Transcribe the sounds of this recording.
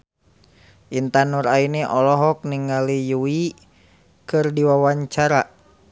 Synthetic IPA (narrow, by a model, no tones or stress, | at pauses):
ʔint̪anuɾainɛʔɔlɔɦɔk̚niŋalijui | kɨrdiwawaɲt͡ʃaɾa